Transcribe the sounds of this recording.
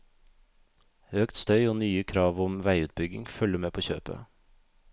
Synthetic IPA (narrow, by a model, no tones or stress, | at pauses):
øːkt̪st̪œʏoːnyːəkʰɾɑːʋʊmʋæɪʉːt̪̚bʏɡɪŋfœləmeːpʰoːçø̰ːpə̰